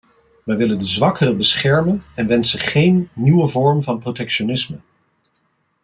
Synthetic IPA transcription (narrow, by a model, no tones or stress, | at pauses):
ʋɛjʋɪləndəzʋɑkərəbəsχɛɹmənɛnʋɛnsəχejnːiwəvɔɹmvɑnprotɛkʃonɪsmə